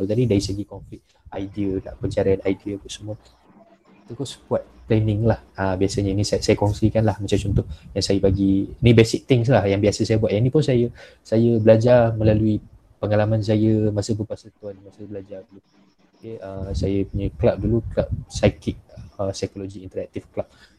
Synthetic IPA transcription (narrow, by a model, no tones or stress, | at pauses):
t̪adidaɾisəɡikɔnflɪt̪̚ | ajdiəda̰ʔpəɲt͡ʃaɾaanajdiəpəsəmuə | t̪akosə̥kuat̪̚p̪lɛnɪŋlahabiasəɲəinisasajəkɔŋsikanlahmat͡ʃamt͡ʃɔnt̪ʊhjaŋsajəpaɡiinibɛsɪk̚t̪ɪŋslahjaŋbiasəsajəbuat̪ʔjainĩpʊnsajə | sajəbəlad͡ʒarmə̃lalui | pəŋalamãns̬ajəmasəp̬əpasat̪uanmasəbəlad͡ʒardulu | okeəsajəpuɲaklap̚duluklap̚sakɪt̪̚əsajkoloɡiːnt̪əɾak̚t̪ɪfklap̚